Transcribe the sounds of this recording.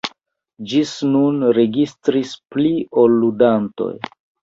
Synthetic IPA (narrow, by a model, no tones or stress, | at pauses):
d͡ʒisnunɾe̞ɡistɾispliolːudanto̞̰j